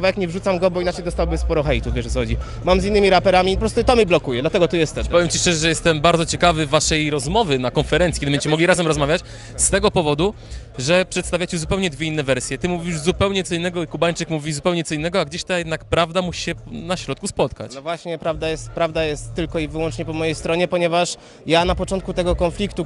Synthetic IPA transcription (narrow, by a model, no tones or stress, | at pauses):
vajakɲɛvʐut̪samɡɔbɔinat͡ʂɛjd̪ɔst̪awbɘspɔɾɔxɛjt̪uvʲjɛʐɛxɔd͡ʑi | mamzinːɘmʲiɾapɛɾamʲipɔpɾɔst̪ut̪ɔmʲiblɔkujɛd̪lat̪ɛɡɔt̪ujɛst̪ɛppɔvjɛmt͡ɕiʂt͡ʂɛʐɛʐɛjɛst̪ɛmbaɾd̪zɔt͡ɕɛkavɘvːaʂɛjɾɔzmɔvɘnakɔnfɛɾɛnt̪sʲiked̪bɛɲd͡ʑet͡ɕɛmɔɡlʲiɾazɛmɾɔzmavʲjat͡ɕ | st̪ɛɡɔpɔvɔd̪u | ʐɛpʂɛt̪st̪avʲjat͡ɕɛzupɛwɲɛd̪vʲeinːɛvɛɾsʲjɛt̪ɘmuvʲiʐzupɛwɲɛt̪sɔinːɛɡɔikubaɲt͡ʂɘkmuvʲizupɛwɲɛt̪sɔinːɛɡɔaɡd͡ʑeɕt̪ajɛd̪nakpɾavd̪amuɕi̥ɕɛnaɕɾɔt̪̚kuspɔt̪ka̰t͡ɕvwaɕɲɛpɾavd̪ajɛst̪̚pɾavd̪ajɛst̪ːɘlkɔivɘwɔnt͡ʂɲɛpɔmɔjejst̪ɾɔɲɛpɔɲɛvaʂ | janapɔt͡ʂɔnt̪kut̪ɛɡɔkɔnflʲikt̪u